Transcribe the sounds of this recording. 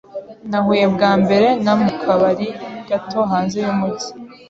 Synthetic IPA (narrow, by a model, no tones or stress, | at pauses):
nahuje̞bɡaːmbe̞ɾe̞namukʰaβaɾiɡ̥ato̞ɦaːnze̞jumuɟi̥